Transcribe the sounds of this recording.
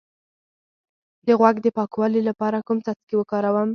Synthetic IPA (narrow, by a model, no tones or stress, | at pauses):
d̪əɣwaɡd̪əpɑkwɑlilapɑɾakumt͡sat͡skewəkɑɾawəm